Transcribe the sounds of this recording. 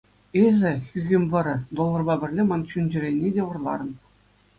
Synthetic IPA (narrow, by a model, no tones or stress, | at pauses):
ezʲɘ̆xʲyɣʲɘmʲʋɤ̆ɾʲɘ̆d̪olˠːɤ̆rbɑbʲɘ̆rʲlʲemɑnt͡ɕynʲd͡ʑɘ̆rʲenʲːedʲeʋɤ̆rlˠɑ̰ɾɤ̆n